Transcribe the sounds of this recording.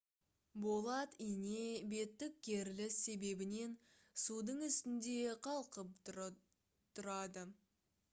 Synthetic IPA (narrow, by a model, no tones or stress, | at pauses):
bo̞lˠɑt̪inebe̞t̪ːɪk̚ʲkʲʰe̞ɾlɪsːe̞be̞bɪne̞n | sud̪əɴʏst̪ɪnd̪e̞qʰɑlˠqəp̚ | t̪ʰʊɾɑd̪ə